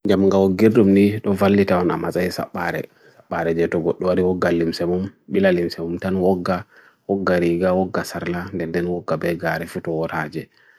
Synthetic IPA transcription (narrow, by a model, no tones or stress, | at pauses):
ɲd͡ʒamŋɡawɔɡiɾdumniɗɔvalːitawanamazaisa̰ɓːaɾɛ̰ | saɓːaɾɛd͡ʒɛtɔɡɔɗːɔwaɾiwɔɡːalimsɛmumɓilalimsɛmumtanwɔɡːa | wɔɡːaɾiɡawɔɡːasaɾlandɛndɛnwɔɡːabɛɡaɾɛfutɔwɔtad͡ʒɛ